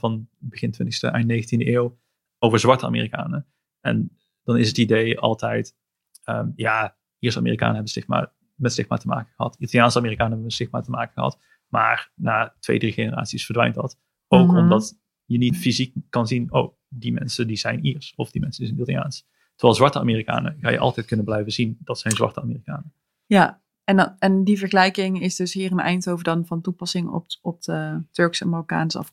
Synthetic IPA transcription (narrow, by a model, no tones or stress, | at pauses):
vɑnbəɣɪntʋɪntəstə̰ʔɛjnnejɣəntindəʔɪːw | owvəɹzʋɑɹtəa̰ːmḛːrika̰ːnə | ʔɛ̰n | d̥ɑnɪsətidejɑ̰lˠtɛjt | əːmjaː | ʔiːɹsa̰ːmḭːrika̰ːnəɦɛbənstɪxtma̰ːɹ | mɛtstɪχtma̰ːtəma̰ːkəχəɦɑ̰titɑlˠijaːnsəaːmiːrikaːnəɦɛbəmɛstɪxtmaːtəmaːkəxəɦɑ̰t | ma̰ːrnaːtʋḛjdriχenəra̰ːtsisfəɹdʋɛ̰jnt̚dɑt | owkɔmdɑt | jənitfizik̚ːɑnzinow | dimɛ̰nsədizɛjniɹsɔfdimɛnsədizɛnitlja̰ːns | tərʋɛːlˠzʋɑɹtəa̰ːmiːrika̰ːnə̰ɣa̰ːjəʔɑ̰lˠtɛjt̚kɵnənblɛjvəzindɑtsɛjnzʋɑ̰ɹtəaːmiːrikaːnə | ja | ɛnɛndivəɹχəlɛjkɪŋɪsdɵsɦiːrənɛ̰jntowvəɹdɑnvɑntupɑsɪŋɔ̰pɔp̚ətɵɹksɛnmɑlˠka̰ːnsɔ̰f